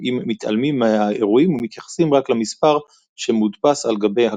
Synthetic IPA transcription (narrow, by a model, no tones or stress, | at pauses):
imːit̪a̰lmimaaeʁuimumit̪jaχḁsimʁaklamispaʁ | ʃemudpasalɡabe̞jha